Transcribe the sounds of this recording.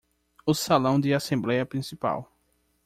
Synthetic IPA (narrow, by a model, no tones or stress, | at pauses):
ʊsalɐ̃w̃d̪ɪasẽmblɛjɐpɾĩsipa̰w